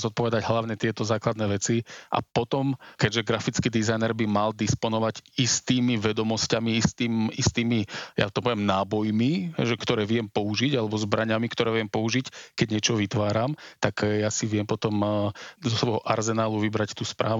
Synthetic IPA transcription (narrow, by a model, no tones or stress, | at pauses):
zɔt̪̚pɔʋɛd̪aɟɦlaʋɲɛt̪ɪɛt̪ɔzaːklad̪nɛːʋɛt͡siʔa̰pɔt̪ɔmkɛɟʒɛɡɾafit͡skiːd̪izajnɛɾbimald̪ispɔnɔʋaɟist̪iːmiʋɛd̪ɔmɔscamiist̪iːmist̪iːmija̰t̪ɔpɔʋjɛmnaːbɔjmiɦɛʒɛkt̪ɔɾɛːʋɪɛmpɔuʒiɟalɛbɔzbɾaɲamikt̪ɔɾɛːʋɪɛmpɔuʒickɛɟɲɪɛt͡ʃɔʋit̪ʋaːɾamt̪akjasiʋɪɛmpɔt̪ɔmzɔsʋɔɦɔʔaɾzɛnaːluʋibɾact̪uːspɾaːʋ